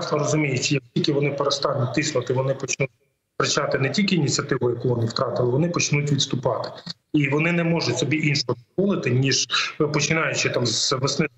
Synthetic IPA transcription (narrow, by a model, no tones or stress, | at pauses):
snɔɾɔzʊmʲijɪt͡ʃjɐk̚tʲilʲkɪʋɔnɪpeɾɔst̪ɑnʲːit̪ɪsnʊt̪ɪʋɔnɪpɔt͡ʃnut̚ʲ | t̪ɾɪt͡ʃɑt̪ɪnɛtʲilʲkɪiːnʲit͡sʲɐt̪ɪʋʊjɐkuʋɔnɪwt̪ɾɑt̪ɪlˠɪʋɔnɪpɔt͡ʃnutʲʋʲid̪st̪ʊpɑt̪ɪ̥ | iʋɔnɪnɛmɔʒʊtʲsɔbʲiʔinʃɔɦɔd̪ʋɔlˠɪt̪ɪnʲiʒpɔt͡ʃɪnɑjʊt͡ʃɪt̪ɑmzʋɪsnɪ